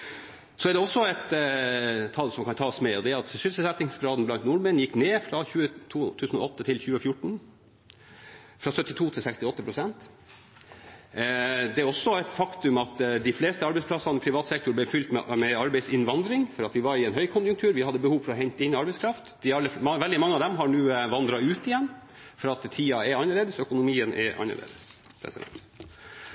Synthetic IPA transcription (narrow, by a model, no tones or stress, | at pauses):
sɔæɖɛɔsːɔɛt̪ʰː | ɑlːsɔmkʰɑnt̪ʰɑːɔsmɛɔd̪ɛɾɑt̪ʃʂʏlsəsɛt̪nɪŋsɡɾɑːd̪n̩blɑnt̪nʊɾmɛnjɪkːneːfɾɑçʉːət̪ʰuːt̪ʰʉːsnɔ̰ɔt̪ːət̪ʰɪlçʉːəfjʊʈːɳ̩ | fɾɑsœt̪ːɪt̪ʰuːt̪ʰɪlsɛkst̪ɪɔt̪ːəpʰɾʊsɛnt̪ | d̪ɛæɾɔsːɔɛt̪fɑkt̪ʉmɑt̪d̪ɪfleːst̪əɑɾbɛɪsplɑsɑnəpʰɾɪʋɑːt̪sɛkt̪ʊɾblɛfʏlt̪mɛmɛɑɾbæɪsɪnʋɑnd̪ɾɪŋfɔɾɑt̪ʋɪʋɑɾɪɛnɦœʏkʰʊnjʉŋkt̪ʰʉːɾʋɪhɑd̪ːəbəhuːʋfɔɾɔɦɛɲt̪əɪnːɪɑɾbɛɪskʰɾɑft̪d̪ɪɑlːəʋɛld̪ɪmɑŋːəɑd̪ɛmɦɑɳuːʋɑnd̪ɾɑʉːt̪ɪjɛnː | fɾɑːt̪t̪ʰːiːɑɛɑnːəɭeːd̪əsɔœkʊnʊmiːənʔɛ̰ʔɑ̰nːə̰ɭʔḛːd̪əs | pʰɾɛ̰sɪ̰d̪ɛ̰nt̪